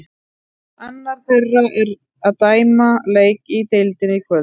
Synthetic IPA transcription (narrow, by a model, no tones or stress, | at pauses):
anːaɾ̥θerːaʔɛɾ | aðt̪aːjmaleːjkit̪ejlt̪ɪnikʰvœ